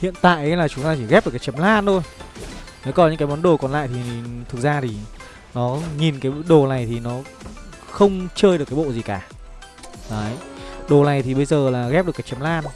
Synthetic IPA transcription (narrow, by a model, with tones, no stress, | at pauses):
hḭ˧˨ənt̪a̰ː˧˨jʔə˨˦jlaː˨˩t͡ɕʊ˨˦ŋ͡mt̪aː˧t͡ɕi˧˩ɣɛ˦˥p̚ɗɨ˨˩ka˨˦t͡ɕə˨˦mlaː˧nt̪ʰo˧j | ne˨˦wkɔ˨˦ɲɨ̰˧˥kaː˨˦jmɔ˨˦nɗo˨˩kɔ˨˩nla̰ː˧˨jt̪ʰi˨˩˨t̪ʰɨ˨˩k̚zaː˧t̪ʰi˨˩ | nɔ˨˦ŋi˨˩nkaː˨˦jɗo˨˩na˨˩jt̪ʰi˨˩nɔ˨˦ | xə˧wŋ͡mt͡ɕəː˧jɗɨ˨˩kaː˨˦jɓo̰˧˨zi˨˩kaː˧˩ | aː˨˦ɗo˨˩na˨˩jt̪ʰi˨˩ɓə˧jzəː˨˩laː˨˩ɣɛ˦˥p̚ɗkaː˨˦jt͡ɕə˨˦mlaː˧n